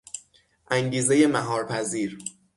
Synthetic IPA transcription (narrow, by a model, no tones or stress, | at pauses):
ʔæŋɟiːze̞je̞mæɦɒːɾpʰæziːɾ